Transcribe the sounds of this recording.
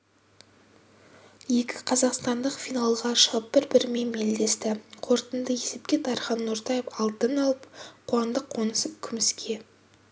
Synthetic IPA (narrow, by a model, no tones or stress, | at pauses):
je̞kʲɪ̥qʰɑzɑqst̪ɑnd̪əqfijnalˠʁɑʃəʁəp̚b̥ɪɾbɪɾme̞nme̞ld̪e̞st̪ɪqʰo̞ɾt̪ənd̪əje̞se̞pkʲe̞t̪ʰɑɾχɑnːʊɾt̪ɑjefɑlˠt̪ənɑlˠəp̚qʰuɑnd̪əqʰːo̞nəsəp̚kʲʰʏmɪskʲʰe̞